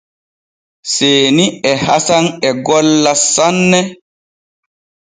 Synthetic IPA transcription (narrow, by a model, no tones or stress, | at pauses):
seːniɛhasanɛɡɔlːasanːɛ